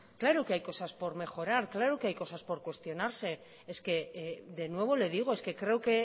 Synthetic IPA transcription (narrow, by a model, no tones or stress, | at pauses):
klaɾuke̞ajko̞saspo̞ɾme̞xo̞ɾaɾklaɾuke̞ajko̞saspo̞ɾkwe̞st̪jo̞naɾse̞ | eske̞ðe̞nwe̞β̞o̞le̞ð̞iɣ̞oeske̞kɾe̞uke